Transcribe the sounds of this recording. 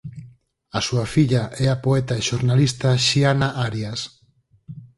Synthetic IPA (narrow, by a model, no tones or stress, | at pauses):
asuafiʎaʔɛapoɛt̪aeʃoɾnalist̪aʃianaʔaɾjas